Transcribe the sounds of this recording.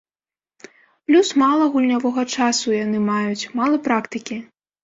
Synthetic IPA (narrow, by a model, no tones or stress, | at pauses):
plʲusmalˠɐɣulʲnʲavɔɣɐt͡ʂasujanɨmajut͡sʲmalˠɐpɾakt̪ɨkʲi